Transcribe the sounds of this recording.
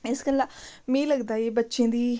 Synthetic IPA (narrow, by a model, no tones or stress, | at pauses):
ɪskəlamẽːləɡd̪aːiːbətːʃẽːd̪iː